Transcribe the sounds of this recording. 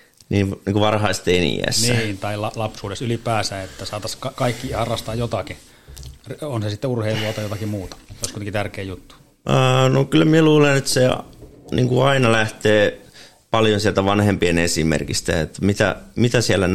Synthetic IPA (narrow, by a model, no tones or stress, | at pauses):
niːniːŋkuʋɑrhɑist̪enḭæ̰snːnt̪ɑilɑlɑpsuːdesylipæːsæːet̪ːæsɑːt̪ɑskɑkɑikːihɑrːɑst̪ɑːjjot̪ɑki | ronsesit̪ːeurheilːuɑt̪ɑijot̪ɑkimuːt̪ɑ̥joiskuit̪ekit̪ærkeːjut̪ːu̥ | nokylːmieluːlenet̪senḭŋkuɑinɑlæht̪eː | pɑljonsielt̪æʋɑnhempienesimḛrkist̪æ̰ḛt̪ːmit̪æ̰mit̪æsiælːæn